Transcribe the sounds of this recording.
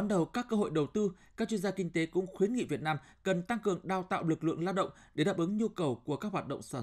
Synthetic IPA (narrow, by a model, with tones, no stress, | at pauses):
nɗə˨˩wkaː˦˥kːəː˧ɦo̰˧˨jɗə˨˩wt̪ɨ˧ | kaː˦˥k̚t͡ɕwi˧ənzaː˧kï˧ŋ̟t̪e˨˦kʊ̰˧˥ŋ͡mxwi˨˦nŋḭ˧˨vi˨˩ət̚naː˧m | kə˨˩nt̪a˧ŋkɨ˨˩əŋɗaː˨˩wt̪a̰ː˧˨wlɨ˨˩k̚lɨ̰˧˨əŋlaː˧ɗə̰˧˨ŋ͡mɗe˧˩ɗaː˨˩p̚ʔɨ˨˦ŋɲu˧kə˨˩wku˧˩əkaː˦˥k̚waː˨˩ɗə̰˧˨ŋ͡msaː˧˩